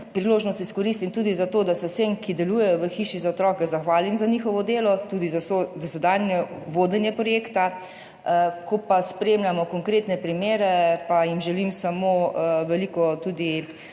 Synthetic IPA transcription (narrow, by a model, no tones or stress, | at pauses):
pɾiloːʒnɔst̪iskɔɾist̪imt̪uːd̪izat̪oːd̪asɛwsemkid̪ɛlujɛjɔʋəxiʃizaɔt̪ɾɔːkɛzaxʋaːlimzanixɔʋɔd̪eːlɔt̪uːd̪izasod̪ɔsɛd̪anjɛʋoːd̪ɛnjɛpɾɔjeːkt̪a | kɔpaspɾeːmlʲjamɔkɔŋkɾeːt̪nɛpɾimeːɾɛpajimʒɛlimsamoʋɛlikɔt̪uːd̪i